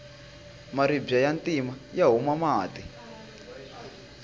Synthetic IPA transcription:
maɾibjajantimajaɦumamaːti

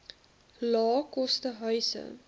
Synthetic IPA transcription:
lɑːkɔstəɦœɥsə̰

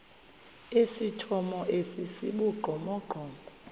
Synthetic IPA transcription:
esitʰɔmɔʔesisiɓuɡ͡ǃʱɔmɔɡ͡ǃʱɔːŋʱɔ

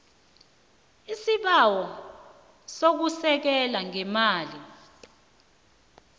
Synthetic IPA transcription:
isiɓawɔ | sok̬usɛk̬ɛlaŋɛmaːli

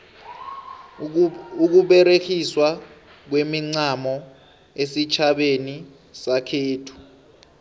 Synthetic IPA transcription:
uk̬uɓɛɾekʰiswa | k̬wemiŋ͡ǀamɔ | esit͡ʃʰaɓeni | sakʰeːtʰu̥

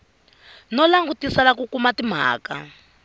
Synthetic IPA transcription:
nɔlaŋɡutisalakukumatim̤a̰ːka̰

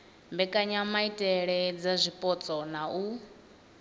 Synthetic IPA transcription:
mbɛkʼaɲamaitʼɛɺɛd͡zazʷipʼɔt͡sʼɔnau

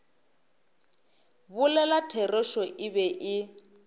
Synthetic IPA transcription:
bʊlɛlatʰɛrɛʃɔʔɪβɛʔɪ

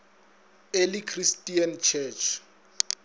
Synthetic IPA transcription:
elikʰristʼiant͡ʃʰɛt͡ʃʰ

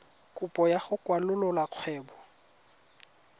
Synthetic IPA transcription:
kʼʊpʼɔjaχʊkʼwalʊlɔlaq͡χʰwɛːbɔ

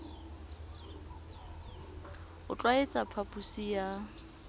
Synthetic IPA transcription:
ʊt͡ɬʼwaet͡sʼapʰapʼusija

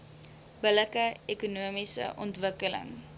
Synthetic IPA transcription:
b̥ələkəekunuəmisə̰ʔɔ̰ntvəkələ̰ŋ

